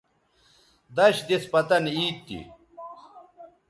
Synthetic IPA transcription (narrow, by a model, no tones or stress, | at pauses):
d̪ɐɕd̪espɐt̪ɐniːt̪ːḭ